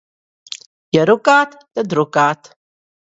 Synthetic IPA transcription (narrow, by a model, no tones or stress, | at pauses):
jəɾukaːt̪t̪əd̪ɾʊkaːt̪